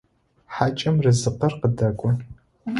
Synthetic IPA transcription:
ħaːt͡ʃʼɐmrɨzɨqɐrqədɐɡʷʊ

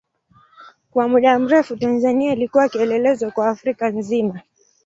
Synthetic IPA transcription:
kwamuɗam̩ɾɛfutanzaniailikuwakiɛlɛlɛzwakwaːfɾikanzima

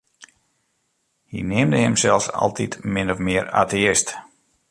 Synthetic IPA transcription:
hḭnɪəmdəhɪmsɛlˠsa̰lˠtʰitmɪnɔfmɪəra̰ːteɪst

